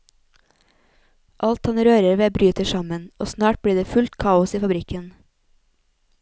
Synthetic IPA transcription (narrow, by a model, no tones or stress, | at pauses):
ʔɑlt̪hɑnɾøːɾəɾʋeːbɾyːt̪əʃɑmənoːsnɑːʈ̚bɽiːɖeːfʉlt̪kʰɑːʊsiːfɑbɾɪkən